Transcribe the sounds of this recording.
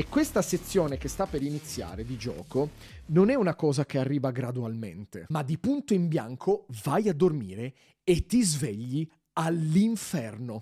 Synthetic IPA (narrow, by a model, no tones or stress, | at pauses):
ekːwest̪aset̪sːjoːnek̟est̪apːeɾinit̪sːja̰ːɾed̪id͡ʒɔ̰ːkononɛunakɔːzak̟earːiːvaɡɾad̪ualmḛnt̪emad̪ːipunt̪oimbja̰ŋkʰovajad̪ːormiːɾe | et̪ːizveʎːi | alːiɱfɛrno